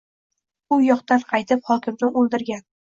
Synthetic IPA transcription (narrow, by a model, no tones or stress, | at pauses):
ʊjɒqt̪anqʰɑjt̪ʰɪphɒkʲʰɪmnɪʔolˠd̪ɪɾɡʲan